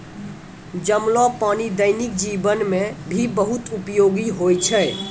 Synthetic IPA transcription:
d͡ʒəmlɔpanid̪əjnik̚d͡ʒibənmebʱibəɦut̪upjoɡiɦojt͡ʃʰɛ

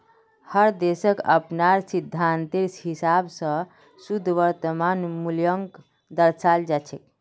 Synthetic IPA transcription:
həɾd̪esəkə̰pnaɾsid̪ʱːant̪iɾsɦisabsə̃ | sud̪ʱʋəɾt̪əmanmuljəŋk | d̪əɾsald͡ʒat͡ʃʰɛk̚

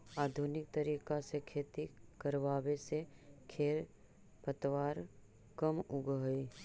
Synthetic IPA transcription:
aːd̪ʱunɪk̚t̪əɾiːkasekʰeːt̪ikəɾʋaːwesekʰeːl | pət̪ʋaːɾ | kəmʊɡɦi

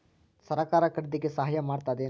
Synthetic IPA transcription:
sɐɾɐkaːɾɐkɐɽed̪iɡesɐɦajɐmaːɽt̪aːd̪e

